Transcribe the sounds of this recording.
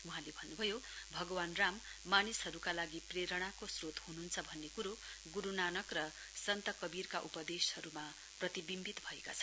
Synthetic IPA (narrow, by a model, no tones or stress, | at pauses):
wuɦãlebʱʌnːubʱʌjobʱʌɡʌwanramː | anisɦʌɾukalaɡipreɾʌɽ̃akosrot̪hunuɦnt͡sʰʌbʱʌnːekuɾo | ɡuɾunanʌkrʌ | sʌnt̪ʌkʌbirkaʔupʌd̪eshʌɾuma | prʌt̪ibimbit̪bʱʌeka̰t͡sʰʌ